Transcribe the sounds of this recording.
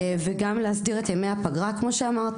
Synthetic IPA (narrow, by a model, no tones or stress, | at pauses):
veɡamleɦasdiʁe̞tjemeapaɡʁakmo̞ʃeamaʁt̪